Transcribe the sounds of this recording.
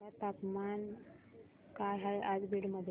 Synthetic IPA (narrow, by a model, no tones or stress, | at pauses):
at̪akman | kaɦajad͡zbiɽməd̪ʱj